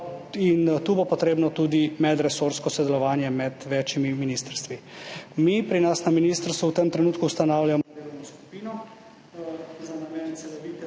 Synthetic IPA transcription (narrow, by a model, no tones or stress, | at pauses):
int̪uːbopɔt̪ɾeːbnɔt̪uːd̪imɛd̪ɾɛsoɾskɔsɔd̪ɛlɔʋaːnjɛmɛd̪ʋɛːt͡ʃimiminiːst̪əɾst̪ʋimipɾinasnaminist̪əɾst̪ʋuwt̪əmt̪ɾɛnuːt̪kuwst̪anaːwʎjamnɔsku̥piːnɔ | zanamɛnsɛlɔʋikɛ